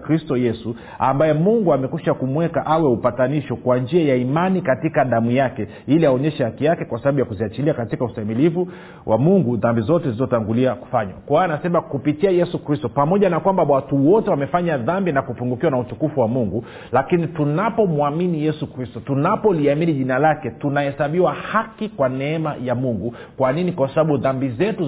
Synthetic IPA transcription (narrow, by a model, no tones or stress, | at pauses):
kɾistɔjɛsu | a̰mbajɛmuŋɡuamɛkuʃakumwɛkaʔawɛupataniʃɔkwand͡ʒiajaimanikatikaðamujakɛ | iliaɔɲɛʃɛhakijakɛkwasaɓaɓujakuziat͡ʃiliakatikausaimilivu | wʔa̰muŋɡuðambizɔtɛziizɔtaŋɡuliaku̥faɲwa̰kwaanasɛmakupitiajɛsukɾistɔpamɔʄanakwambawatuwɔtɛwamɛfaɲaðambinakupuŋɡukiwanautukufuwamuŋɡu | lakinitunapɔmuaminijɛsukɾistɔtunapɔliaminiʄinalakɛtunahɛsaɓiwahakikwanɛɛmajamuŋɡu | kwaninikwasaɓaɓuðambizɛtu